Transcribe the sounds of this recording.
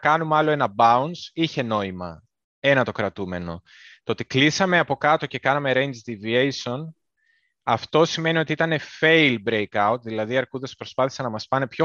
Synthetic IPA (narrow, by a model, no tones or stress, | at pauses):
kɐnumɐlo̞e̞nɐbɐunsiçe̞no̞imɐ | e̞nɐt̪o̞kɾɐt̪ume̞no̞̰ | t̪oot̪iklisɐme̞ɐpo̞kɐt̪o̞ce̞kɐnɐme̞ɾe̞nd͡ʒd̪iviejsio̞n | ɐft̪o̞sime̞nio̞t̪iit̪ɐne̞fe̞jlbɾe̞jkɐut̪̚ðilɐðiɐɾkuðe̞spɾo̞spɐθi̥sɐnɐmɐspɐne̞pço̞